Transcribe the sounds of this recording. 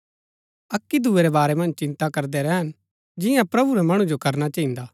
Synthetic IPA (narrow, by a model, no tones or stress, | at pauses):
ɐkːid̪ʱueɾɛbaːɾɛmɐ̃nd͡ʒt͡ʃɪ̃nt̪akɐɾd̪ɛɾɛɦən | d͡ʒɪjãpɾɐbuɾɛmɐɽ̃ũd͡ʒokɐɾnat͡ʃɐɦĩnd̪aː